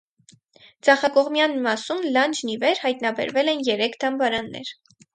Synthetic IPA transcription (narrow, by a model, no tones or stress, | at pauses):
d͡zʰɑχɑkɔʁmjɑnmɑsunlɑnd͡ʒnivɛɾhɑjt̪nɑbɛ̰ɾvɛlɛnjɛɾɛkʰd̪ɑmbɑɾɑnːɛ̰ɾ